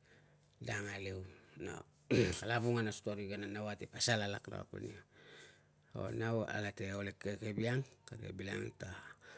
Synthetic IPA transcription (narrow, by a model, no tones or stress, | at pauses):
daŋalewno̰ | alaβuŋanaso̥toɾiɡananawatepasalalakna̰a̰kḛnio | o̰nawa̰lateolekekebiaŋkaɾia̰bila̰ŋta